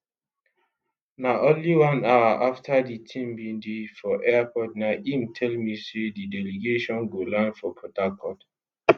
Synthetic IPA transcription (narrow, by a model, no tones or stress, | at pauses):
naʔõnliwãnaaʔaftʰaditʰĩmbĩndefɔʔɛapʰɔdnaʔimtʰɛlmisedidɛleɡeʃɔ̃nɡolãnfɔpʰɹɔtakʰɔd